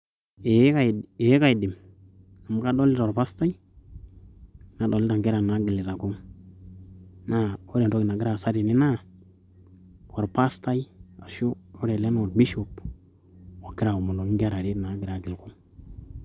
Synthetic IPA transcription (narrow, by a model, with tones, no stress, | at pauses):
e˨˦ka˦˨e˨je˦ka˦˨i˨di˨m | a˨ma˦ka˦do˦li˦to˨ɾpa˦sta˦i˦ | na˨do˨li˦ta˨ŋɡe˦ɾa˨na˨˦ɡi˨li˨ɾa˨ku˦m | na˦o˦ɾe˨n˨do˦ɡi˨na˨ɡi˦ɾa˦˨sa˦ɾi˨ni˦na˦ | ko˨ɾpa˦sta˦i˦a˨ʃu˦o˦ɾe˨le˦n˦o˨ɾbi˦ʃo˨p | wa˨ɡi˦ɾa˨u˨mu˨lo˨˦ŋɡa˦ɾa˨ɾi˦na˨˦ɡi˨ɾa˨ɡi˨lku˦m